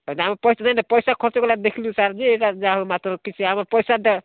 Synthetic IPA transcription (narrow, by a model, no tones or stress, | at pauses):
onaɦaməpəjsananəpəjsakʰot͡ʃokelad̪ekʰlusaɾd͡ʒeeʈad͡ʒaɦomat̪ɾəkit͡ʃʰiɦaməɾpəjsad̪ə